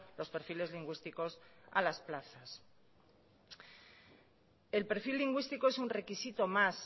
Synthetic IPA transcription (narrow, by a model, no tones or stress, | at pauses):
lo̞spe̞ɾfile̞zliŋɡwist̪iko̞sa̰lasplaθas | e̞lpe̞ɾfilːiŋɡwist̪ikoesunre̞kisit̪o̞mas